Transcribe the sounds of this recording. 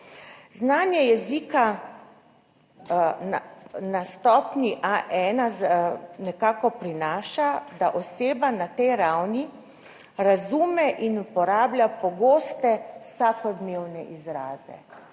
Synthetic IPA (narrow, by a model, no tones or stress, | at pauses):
znaːnjɛjɛziːka | nast̪ɔːpniʔaʔɛːnazanɛkaːkɔpɾinaːʃad̪aʔɔseːbanat̪ɛjɾawni | ɾazuːmɛʔinupɔɾaːblʲjʲapɔɡoːst̪ɛwsakɔd̪neːwnɛ̰ʔizɾaːzɛ̰